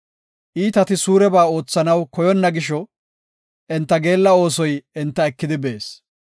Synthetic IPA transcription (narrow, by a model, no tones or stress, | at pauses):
ʔiːt̪ɐt̪ɪsuːɾɛbaːo̞ːt͡sːɐnɐwkɔjɔnːɐɡɪʃ̬ɔ | ʔɛnt̪ːɐɡe̞ːlːɐo̞ːsɔjɛnt̪ːɐɛkːɪd̪ɪbe̞ːs